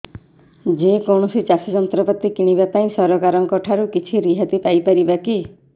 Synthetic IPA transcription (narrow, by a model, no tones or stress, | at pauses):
d͡ʒekɔwɳ̃ɔsit͡ʃasid͡ʒɔnt̪ɾɔpɔt̪ːikiɽ̃ibapaĩsɔɾɔkaɾɔŋkɔʈʰaɾukit͡ʃʰiɾiɦat̪ipajpaɾibaki